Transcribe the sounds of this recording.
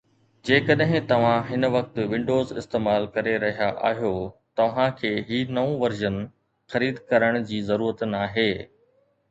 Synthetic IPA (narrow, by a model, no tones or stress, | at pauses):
d͡ʑeːkɐɗɦɪ̃t̪ɐʋ̤ãɦɪnʋɐk̚t̪̆ʋɪ̃ɳɖoːzɪ̰st̪eːmaːlkɐɾeɾɐɦijaʔa̰ːɦjot̪ɐʋ̤ãkʰeːɦiːnɐũʋɐɾʒən | xɐɾiːd̪kɐɾəɽ̃d͡ʑiːzɐɾuːɾət̪naːɦeː